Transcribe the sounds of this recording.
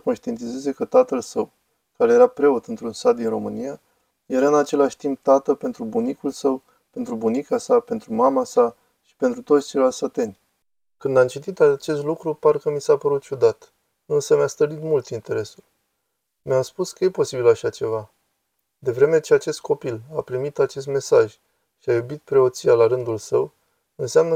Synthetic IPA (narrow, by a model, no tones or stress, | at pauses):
ko̞nʃt̪ie̞nt̪ize̞ze̞kət̪at̪əlsəw | kaɾe̞jeɾapɾe̞o̞t̪ɨnt̪ɾunsat̪̚d̪inro̞mɨnija | je̞ɾaɨnat͡ʃe̞laʃʲt̪imp̚t̪at̪əlpe̞nt̪ɾubunikulsəw | pe̞nt̪ɾubunikasape̞nt̪ɾumamasa | ʃi̥pe̞nt̪ɾut̪o̞t̪sʲt͡ʃiɾalsət̪e̞nʲ | kɨnd̪amt͡ʃit̪it̪at͡ʃe̞st̪lukɾuparkəmisapəɾut̪̚t͡ʃud̪at̪ | ɨnsəmjast̪əlit̪mult̪int̪e̞ɾe̞sul | mʲamspuskəje̞po̞sibilaʃat͡ʃe̞va | d̪e̞vɾe̞me̞t͡ʃeat͡ʃe̞st̪̚kʰo̞pilapɾimit̪at͡ʃe̞s̬t̪me̞saʒ | ʃiajubit̪̚pɾe̞o̞t̪sialaɾɨnd̪ulsəw | ɨnseamnə